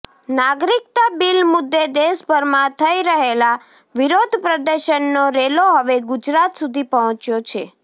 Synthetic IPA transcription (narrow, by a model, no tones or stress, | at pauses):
naɡɾikt̪abilmʊd̪ːed̪esbʱəɾmãt̪ʰəiɾəɦela | ʋiɾod̪ʱpɾəd̪əɾʃənːoɾeloɦəʋeɡud͡ʒɾat̪sud̪ʱipəɦə̃t͡ʃjot͡ʃʰe